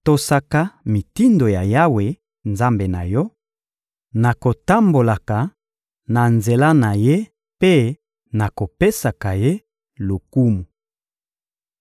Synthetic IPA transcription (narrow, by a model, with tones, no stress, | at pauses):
to˨sa˦ka˦mi˨ti˦ndo˨ja˨ja˦we˨ | nza˦mbe˨na˨jɔ˦ | na˨ko˨ta˦mbo˨la˨ka˨ | na˨nze˨la˦na˨je˦ | pe˦ | na˨ko˨pe˦sa˨ka˨je˦ | lo˨ku˦mu˨